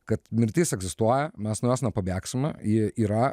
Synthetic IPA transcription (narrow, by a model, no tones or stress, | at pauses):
kɐt̪mʲɪɾʲt̪ʲiːsɛɡzʲɪst̪uɔjɛmʲɛsnʊjæːsnɐpɐbʲæːksʲɪmʲɛjɪiːɾɐ